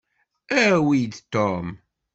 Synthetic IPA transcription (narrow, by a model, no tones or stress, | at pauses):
æwid̪t̪ɔm